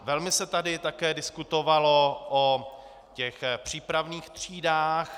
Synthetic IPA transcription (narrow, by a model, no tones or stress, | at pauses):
vɛlmɪsɛt̪adɪt̪akɛːdɪskut̪o̞valo̞ʔo | cɛxpr̝̥iːpɾavniːxt̪r̝̥iːdaːx